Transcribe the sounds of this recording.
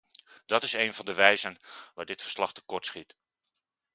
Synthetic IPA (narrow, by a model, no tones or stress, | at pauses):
d̥ɑtɪsejnvɑndəʋɛjzənʋa̰ːdɪtfəɹslɑχtəkɔɹtsχit